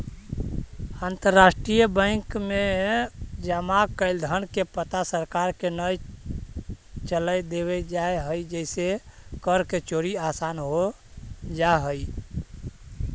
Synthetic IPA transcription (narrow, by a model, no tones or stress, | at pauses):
ant̪əɾːasʈɾijəbə̃kme | d͡ʒəmakəɪld̪ʱənkepət̪asəɾkaɾkenəj | t͡ʃələjd̪eβɛd͡ʒaeɦəjd͡ʒəɪsekəɾket͡ʃoɾiasanɦo | d͡ʒaɦəj